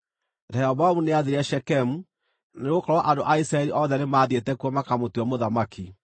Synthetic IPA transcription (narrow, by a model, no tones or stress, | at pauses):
ɾɛɔβaumuneaðeɾaʃɛkɛmu | neɣokɔɾwaʔandoʔaisɾaɛɾiʔɔðɛnemaːðietɛkwɔmakamotiɔmoðamaki